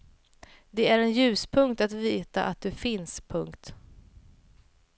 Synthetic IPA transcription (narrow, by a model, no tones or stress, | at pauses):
d̪ɛæɾɛnjʉ̟ːspʰɵŋkt̪at̪viːt̪a̰ʔat̪̚d̪ɵfɪnspʰɵŋkt̪